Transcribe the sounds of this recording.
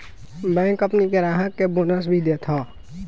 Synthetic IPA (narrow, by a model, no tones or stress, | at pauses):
bɛ̃ːkəpniɡeɾaːɦəkːebonəs̬bʱid̪eːt̪ʰoː